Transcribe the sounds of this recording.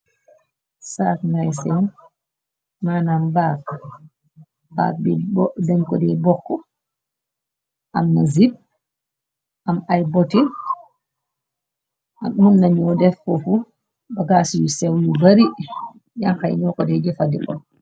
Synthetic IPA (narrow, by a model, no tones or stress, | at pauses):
satnajsɛn | manambaːk | a̰bdɛnkɔdɛbɔkːɔ | ʔamnazib̚ | ʔamajbɔti | ʔa̰mːunːaɲɔdɛfɔfu | baɡasijusɛwjubaɾi | jaŋhaj̰ɲɔkɔdɛd͡ʒɛfadikɔ̰